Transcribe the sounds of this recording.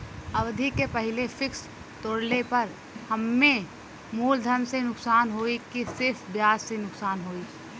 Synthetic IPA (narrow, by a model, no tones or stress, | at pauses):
ɐʋd̪ʱikepəɦɪlefʰɪks | t̪oːɽlepəɾ | həmːẽ | muːld̪ʱənsenʊksaːnɦoːikisɪɾfʰbjaːzsenʊksaːnɦoːi